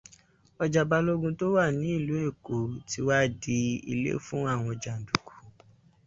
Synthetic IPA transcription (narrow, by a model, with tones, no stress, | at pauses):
ɔ˧d͡ʒa˨ba˧lo˦ɡũ˧to˦wa˦˨nĩ˨˦i˦˨lu˨˦e˦˨ko˨˦ti˧˦wa˦di˧ḭ˧lḛ˦fũ˦a˦˨w̃ɔ̃˧d͡ʒa˨n̩˨du˨ku̥˨˦